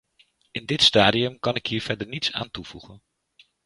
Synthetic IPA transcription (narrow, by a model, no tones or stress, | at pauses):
ɪndɪtstaːdiɵmkɑnɪkɦiːɹv̥ɛɹdəɹnitsa̰ːntuv̥uχən